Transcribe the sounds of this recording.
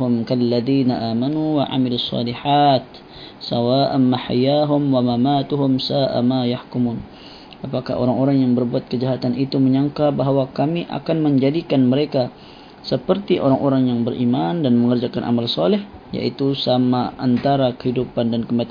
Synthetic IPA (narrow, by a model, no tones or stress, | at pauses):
ʊmkalːaðiːnaʔaːmanuwaʕa̰milusːɑ̰ːliħaːt̪̚ | sawaːʔanːaħa̰jaɦʊmwamamaːt̪ʊɦʊmsaːʔa̰majahkumuːn | apaka̰ho̰ɾaŋoɾaŋjaŋbərbuat̪̚kəd͡ʒaɦat̪anit̪uməɲaŋkabaɦwakamiʔa̰kanməɲd͡ʒadikanməɾeka | səpərt̪iʔoɾaŋʔoɾaŋjaŋbərʔimandanməŋərd͡ʒakanʔa̰malsɑlɪh | ja̰ʔit̪usamaant̪aɾakəhidupandankəmat̪